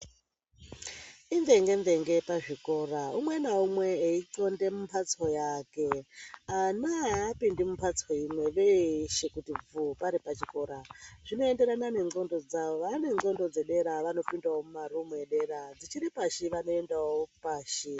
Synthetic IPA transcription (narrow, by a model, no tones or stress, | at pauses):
inde̞ŋɡe̞nde̞ŋɡe̞paʐiko̞ːraumwe̞naumwe̞ːiǃo̞nde̞mumpʰat͡so̞jake̞anaːpindimumpʰat͡soimwe̞ʋeʃekutib͡vupaɾipat͡ʃiko̞ɾaʐino̞e̞nde̞ɾanane̞ŋo̞ndo̞d͡zaoʋane̞o̞ndo̞d͡ze̞ɗe̞ɾaʋano̞pindawomumaɾumeɗe̞ɾad͡zit͡ʃiɾipaʃiʋano̞e̞ndawopaːʃi